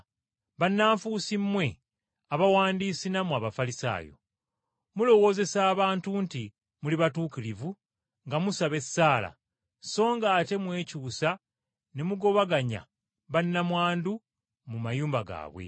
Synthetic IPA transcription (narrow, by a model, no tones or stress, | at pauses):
βanːaːɱfusimːwe̞ | aβawaːndiːsinamuaβafalisa̰ːjo̞̰ | mulo̞wo̞ːze̞saːβaːntunti | muliβatuːkilivu | ŋɡamusaβe̞sːaːla̰ | so̞ːŋɡaːte̞mwe̞ːcuːsa | ne̞muɡo̞βaɡaɲa̰ | βanːamwaːndu | mumajuːmbaɡa̰ːβwḛ